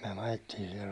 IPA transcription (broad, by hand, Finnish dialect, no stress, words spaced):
myæ ɑjetːiːn̞ sihir